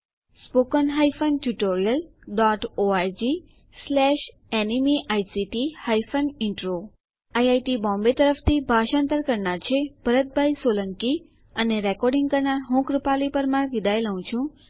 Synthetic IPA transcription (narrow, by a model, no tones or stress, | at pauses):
spokənɦajfənʈuʈoɾijəlɖɔʈoaɾd͡ʒi | slɛʃ | ɛnimiʔajsiʈihajfənɪɳʈɾo | ajajʈibɔ̃mbet̪əɾəft̪ʰibʱaʃãnt̪əɾkəɾɳaɾt͡ʃʰeb̥ʱəɾət̪̚bʱajsoləŋki | əneɾɛkɔɾɖĩŋɡkəɾnaɾɦũkɾəpalipəɾmãkid̪ʱajləũt͡ʃʰũ